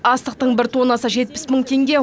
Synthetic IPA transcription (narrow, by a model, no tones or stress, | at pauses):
ɑst̪əq̚t̪əɴbɪɾt̪ʰonɑsəʒe̞t̪̚pɪ̥sməɴt̪ʰe̞ŋɡʲe̞